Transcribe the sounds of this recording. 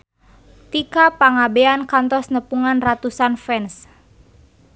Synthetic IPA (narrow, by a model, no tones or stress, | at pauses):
t̪ikapaŋabɛankant̪ɔsnəpuŋanrat̪usanfɛns